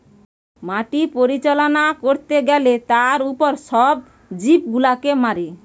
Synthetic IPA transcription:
maʈipoɾit͡ɕalonakoɾt̪eɡɛlet̪aɾupoɾʃɔb̚ | d͡ʑip̚ɡulakemaɾi

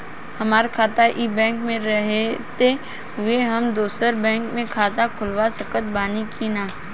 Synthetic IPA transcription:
hɐmaːɾkʰaːt̪aʔibɛ̃ːŋkmẽɾɐɦet̪e | ɦʊeɦɐmd̪oːsəɾbɛ̃ːŋkmẽkʰaːt̪akʰʊlʋasəkət̪̚baːnikinaː

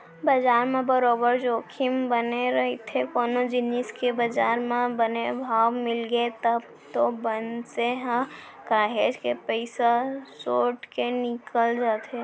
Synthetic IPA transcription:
bɐd͡ʒaːɾmẽbɐɾoːbəɾd͡ʒoːkʰɪmbɐneɾɐɦet̪ʰekoːnod͡ʒɪnɪskebɐd͡ʒaːɾmẽbɐnebʱaːʋmɪlɡət̪əb | t̪obənseɦã | kaːɦeːd͡ʒkepəɪsasoːʈkenɪkəld͡ʒaːt̪ʰe

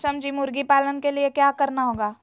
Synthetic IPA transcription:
səmd͡ʒiːmʊɾɡipaːlənkeliekjaːkɐɾnaɦoːɡaː

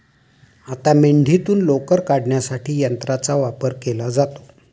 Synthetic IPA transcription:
at̪ameɳɖʱit̪uːnlokəɾkaɽɳjasaʈiːjənt̪ɾat͡saʋapəɾkelad͡zat̪o̥

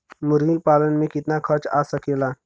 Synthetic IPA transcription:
mʊɾɡik̚paːlənmẽkɪt̪nakʰəɾt͡ʃa̰səkelaː

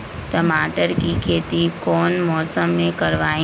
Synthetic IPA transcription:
ʈ̪ɐmaːʈəɾkikʰeːt̪ikɔːnmɔːsəmːẽkɐɾʋaːĩ

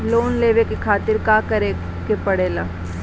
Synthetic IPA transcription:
loːnleːʋekekʰaːt̪ɪɾkaːkɐɾe | kepɐɽeːlaː

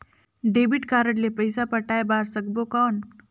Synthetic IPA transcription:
ɖeːbiʈkaːɾəʈlepəjsapəʈaːebaːɾsəɡbokɔːn

